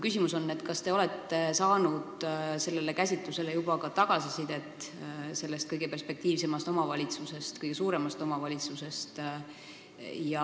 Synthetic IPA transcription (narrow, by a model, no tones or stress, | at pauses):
kysʲimuso̞nːet̪kɑst̪e̞o̞le̞t̪ːe̞sɑːnud̪̥se̞lːe̞le̞kæs̬ʲit̪luse̞le̞jubɑkɑt̪ɑɡ̥ɑsisid̪̥e̞t̪ːˑse̞lːe̞st̪̚kɤjɡ̥e̞pe̞rspe̞k̚t̪iːvse̞mɑst̪o̞mɑvɑlʲit̪suse̞st̪kɤjɡ̥e̞suːɾe̞mɑst̪o̞mɑvɑlʲit̪suse̞st̪ | jɑ